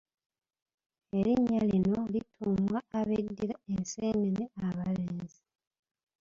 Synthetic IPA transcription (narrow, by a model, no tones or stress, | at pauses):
e̞ɾiɲːalino̞litʰuːmwaːβedːiɾaeseːneneaβaleːnzi